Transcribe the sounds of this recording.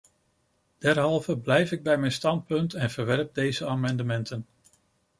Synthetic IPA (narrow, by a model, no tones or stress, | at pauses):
d̥ɛɹɦɑlˠvəblɛjfɪɡ̚bɛjmɛjnstɑnt̚pɵntɛnvəɹʋɛɹp̚dejzəaːmɑndəmɛntʰən